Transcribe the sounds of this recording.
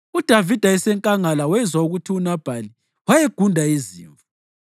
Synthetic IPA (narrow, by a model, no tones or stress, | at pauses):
ud̥ʱavid̥ʱaɛsɛŋkʼaŋalawɛzwauɣutʰiunab̥ʱali | wajeɡ̥ʱundʱaizḭːɱvu